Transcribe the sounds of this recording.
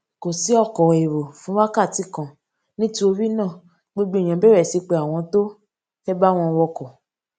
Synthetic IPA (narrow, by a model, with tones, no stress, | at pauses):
ko˨si˨˦ɔ˦˨kɔ˨we˨ɾo˨fũ˨˦wa˦ka˦˨ti˨˦kã˦˨ | nĩ˦ti˦o˧wi˦nã˦˨ | ɡ͡bo˦ɡ͡bẽ˦˨ã˧˨bɛ˦ɾɛ˦˨si˨˧k͡pe˧˨a˨w̃ɔ̃˧to˦ | fɛ˦ba˦w̃ɔ̃˧wɔ˧kɔ˨